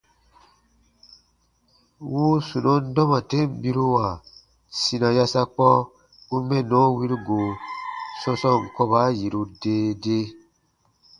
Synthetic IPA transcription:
wu˦su˨nɔ̃˦n˦dɔ̃˦mã˨te˦m˨bi˦ɾu˦wa˨ | si˨nã˨ja˦sa˦k͡pɔ˦ | u˦mɛ˦˨nɔ̃˨˦wi˦ɾi˦ɡo˨sɔ̃˦sɔ̃˦˨ŋ̩˨kɔ˦ba˦ji˨ɾu˨deː˦de˦

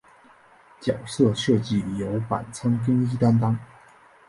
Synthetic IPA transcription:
t͡ɕjɑ˨˩ʊsɤ˥˧ʂɤ˥˧t͡ɕi˥˩jo˧˥ʊpa̰˨˩nt͡sʰɤ˥ŋki˥ŋi˥t̪a˥nt̪ɑ˥ŋ

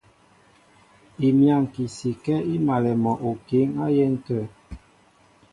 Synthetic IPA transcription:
i˨mja˦˨ŋ˨ki˨si˨kɛ˦i˦ma˨lɛ˨mɔ˨ʔo˨ki˨˦ŋa˦jɛ˦n̩˦tə˦˨

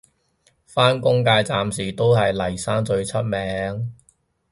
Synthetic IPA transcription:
faː˥nkʊ˥ŋkaː˧jt͡saː˨msiː˨˩t̪o˥whɐ˨jlɐ˨˩jsaː˥nt͡sɵ˧ɥt͡sʰɐ˥t̚mɛː˨˧˥ŋ

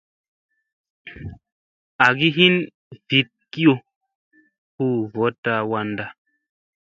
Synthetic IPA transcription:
a˨ɡi˦ɦi˦n | vi˨˦t̚ki˦o˧ | hu˦˨vɔ˨˦ta˧wa˧nda˧

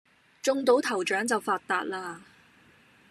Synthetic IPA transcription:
t͡sʊ˧ŋt̪o˨˥wt̪ʰɐ˨˩wt͡ʃœː˨˥ŋt͡sɐ˨wfaː˧t̚t̪aː˧t̚laː˧

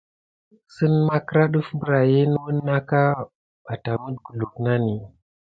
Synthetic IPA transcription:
sə˦nma˦kə˦ɾa˦ɗu˦fmbə˨ɾa˨je˦nə˦wu˦nː˦a˦ka˦ | ɓa˨ta˨mu˦ɗɡu˨lu˨kna˦ni˨

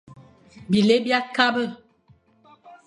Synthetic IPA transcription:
bi˨le˦bja˦ka˦bə˦˨

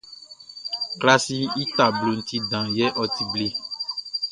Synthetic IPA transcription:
kla˦si˦i˦t̪a˨blo˨n̩˦t̪i˦dã˨jɛ˦ʔɔ˦t̪i˨ble˦˨

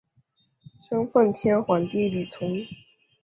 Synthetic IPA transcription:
ɕɤ˥ŋfə˥˩nt̪ʰjɛ˥nxwa˨˩nt̪i˥˩li˨˩t͡sʰʊ˧˥˦ŋ

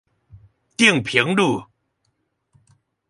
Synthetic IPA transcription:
t̪i˥˩əŋpʰi˨˦əŋduː˥˧˩

